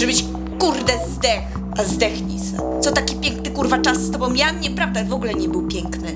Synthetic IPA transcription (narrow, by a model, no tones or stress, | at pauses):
ʐɛbɘt͡ɕ | kuɾd̪ɛzd̪ɛx | azd̪ɛxɲisa̰t̪sɔt̪akʲipʲjɛŋknɘkuɾvat͡ʂasːt̪ɔbɔ̃w̃mʲjaɲɛpɾavd̪avɔɡulɛɲɛbɘwpʲjɛŋknɪ